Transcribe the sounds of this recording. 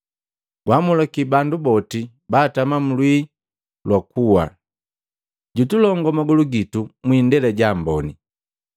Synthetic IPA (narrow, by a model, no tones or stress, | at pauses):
ɡ̥wamulakibandubɔti | baːtamam̩lwi | lwakuwa̰ | ɟutulɔŋɡɔmaɡuluɡitumwiːndɛlɛɟambɔni